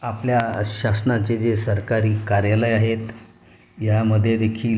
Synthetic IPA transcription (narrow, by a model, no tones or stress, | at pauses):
apljaɕasnat͡sed͡zesəɾkaɾiːkaɾjaləjaɦet̪ | jaməd̪ʱːjed̪ekʰiːl